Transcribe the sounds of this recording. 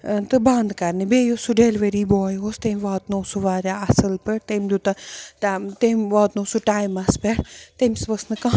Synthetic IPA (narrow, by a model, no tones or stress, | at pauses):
t̪ɨbãnd̪kɐɾnibeːjosuɖelʋeɾiːbɔːjɦoːst̪emʲʋaːt̪noːsuʋaːɾʲjaːɐsɨlpəɾt̪emʲd̪ut̪ɐt̪at̪emʲʋaːt̪noːsuʈaːjmɐspeɾt̪emʲsʋɐsnɨkã